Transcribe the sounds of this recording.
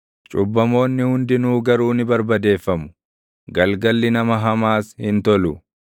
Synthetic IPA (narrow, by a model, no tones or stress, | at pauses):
t͡ʃʼʊbːɐmo̞ːnːɪhʊnd̪ɪnuːɡɐɾuːnɪbɐɾbɐd̪e̞ːfːɐmʊ̥ | ɡɐlɡɐlːɪnɐmɐɦɐmaːshɪnt̪ɔlʊ